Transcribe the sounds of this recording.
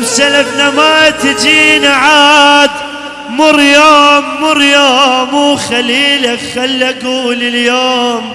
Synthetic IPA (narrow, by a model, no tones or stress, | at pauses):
msalafnamat̪ɪd͡ʒiːnaʕaːd̪ | mʊɾjaːmːʊɾjaːmuːxaliːlaxalːaɡuːlɪljoːm